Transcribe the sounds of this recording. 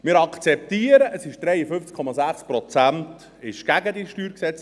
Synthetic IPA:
mɪːɾɑkt͡sɛp̚t̪iəɾəʔəsɪʃd̥ɾɛjəfʏnft͡skʰɔmɑzæχspɾɔt͡sænt | ɪʃɡ̥æɡəd̪iʃtyːɾksɛt͡s

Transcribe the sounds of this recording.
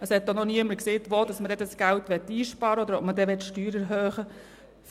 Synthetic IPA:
əshɛt̪ːɔnɔniəmːəɾkseːt̪ʋod̪̥ɑsmədɛdɑsɡ̥æltʋɛt̪ːiːʃpɑːɾəɔd̪əɾɔp̚mədɛʋɛtʃtyːɾɛɾɦøːχə | f

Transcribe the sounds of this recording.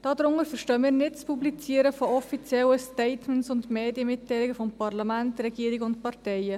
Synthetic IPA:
d̥ɑːd̪ɾʊŋəɾfəɾʃtœːmiːɾnɪtt͡spublit͡siːəɾəfoɔfit͡sjɛlːəstɛɪtmɛnsʊndmeːdiəmɪtːɛɪlɪɡəfɔmpɑrlɑmæntɾɛɡiəɾiɡəʊntpɑrtɛɪə

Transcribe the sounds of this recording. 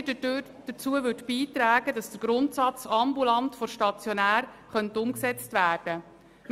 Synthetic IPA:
də | d̥ət͡suəʋʏtb̥iːt̪ɾæːɡədɑsd̥əɾɡ̥ɾʊntsɑt͡sɑmbulɑntfɔɾʃtɑt͡sjɔnæːɾ | χœntʊmksɛt͡stvæːrd̥ə

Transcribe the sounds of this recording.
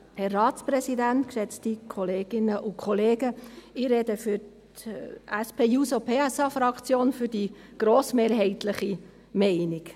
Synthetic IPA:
hɛrːɑːtt͡spɾɛsidæntkʃɛt͡stikʰɔleːɡ̥ɪnəʔʊkʰχɔleːɡəiɾɛdəfyɾt | ʔæspʰeːjusopʰeːɛsɑfɾɑkt͡sjoːnfʏɾdi | ɡ̥ɾoːsmeːɾɦɛɪtləχi | mɛɪnɪk

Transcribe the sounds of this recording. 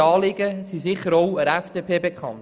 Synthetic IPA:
ɑːlɪɡəsisɪχəɾowəɾɛfd̥eːpʰeːbekχɑ̰n

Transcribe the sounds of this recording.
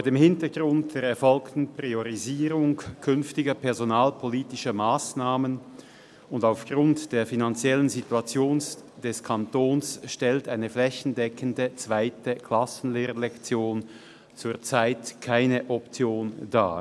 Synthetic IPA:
foːɐdeːmhɪntɐɡʁʊnt̚d̥eːɐɛɐfɔlktn̩pʁ̥ioʁiziːʁʊŋkʰʏnftɪɡɐpʰɛɐzonaːlpʰoliːtɪʃɐmaːsnaːmən | ʊndaʊfɡ̥ʁʊntd̥eːɐfinant͡sjɛlənzituat͡sjoːnsd̥ɛskʰantoːnsʃtɛltaɪnəflɛçn̩dɛkʰəndət͡sv̥aɪtəkʰl̥asn̩leːʁəlɛkt͡sjoːn | t͡suːɐt͡saɪtkʰaɪnəʔɔpt͡sjoːnd̥a̰ː

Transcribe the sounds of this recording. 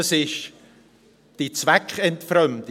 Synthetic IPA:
sɪʃ | d̥it͡svɛkχɛntfɾœmt

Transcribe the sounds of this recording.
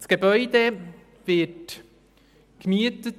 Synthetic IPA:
sɡ̥ebœʏd̪e | vɪt | kmiətət

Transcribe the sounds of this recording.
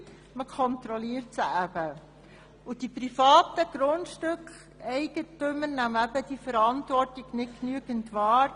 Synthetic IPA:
məkʰɔnt̪ɾɔliəɾtsəæb̥ə | ud̥ipɾifɑːtəɡ̥ɾʊndʃtʏkχ | ɛɪɡ̥ətʏmːənæmæbəd̥ifəɾɑntʋɔrtɪɡnɪtknyəɡəntʋɑːɾ

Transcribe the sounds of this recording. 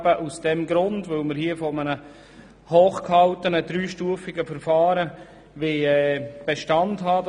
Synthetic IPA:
b̥əʔusd̥ɛmɡɾʊndʋɵlməɾhiːəfɔmənə | hoːχkhɑltənədɾyːʃtuəfɪɡəfəɾfɑːɾə | ʋeɛb̥eʃtɑndɦɑːd

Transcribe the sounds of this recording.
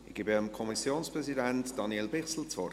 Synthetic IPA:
ɪɡ̥ɪːbɪəmkʰɔmisjoːnspʁɛzidɛntd̥ɑnjɛlbɪχsl̩t͡svɔr

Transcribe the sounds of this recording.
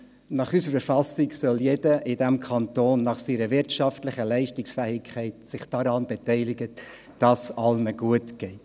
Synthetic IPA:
nɑχysəɾəfɑsɪksœljedəʔɪdɛmkʰɑntoːnːɑχsiːɾəvɪɾtʃɑftlɪχəlɛɪʃtɪksfɛːɪkʰχɛɪtsɪχd̥ɑɾɑːnbɛtɛɪlɪɡə | d̥ɑsɑlnəɡ̥uətɡ̥ɛɪt

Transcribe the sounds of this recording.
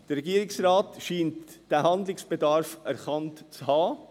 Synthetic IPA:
d̥əɾːɛɡiəɾɪksɾɑːtʃiːntd̥æɦɑnd̪lɪksb̥edɑɾfæɾχɑntt͡shɑː

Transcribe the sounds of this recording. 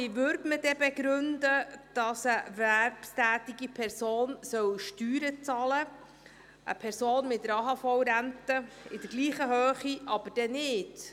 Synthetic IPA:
ivøːɾdməd̥ɛbɛɡɾʉndəd̥ɑsəvæɾpstæːtiɡipʰɛɾsoːnsœwʃtyːɾət͡sɑlə | ʔə̰pʰɛɾsoːnmɪtəɾɑɦɑfɔwɾæntə | ɪdəɾɡliːχəɦøːχiɑb̥əd̥ɛnɪːd

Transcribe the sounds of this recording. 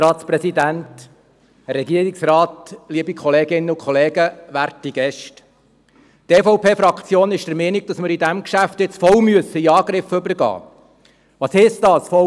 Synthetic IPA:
ɾɑːt̪spɾɛsid̪ænt | rːɛɡiəɾiksrɑːtliəbikʰχɔleːɡɪnːəʊkχɔleːɡəʋæɾtiɡ̥ɛʃt | teːfɔʊpʰeːfɾɑkt͡sjoːnɪʃd̥əɾmɛːniɡ̥̚d̥ɑsməɾidæmkʃæft̪ɪt͡sfɔwmyəsəiɑːɡ̥ɾɪfːʏbəɾɡɑ̰ː | ʋɑːshɛsdɑːsfɔ

